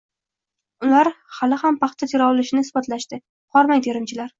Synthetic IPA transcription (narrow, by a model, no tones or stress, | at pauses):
ʊlaɾhalɪhampʰɑχt̪ʰat̪ʰɪɾɒwlɪʃɪnɪsbɒt̪laʃt̪ɪ | qʰɒɾmajt̪ʰeɾɪmt͡ʃʰɪlaɾ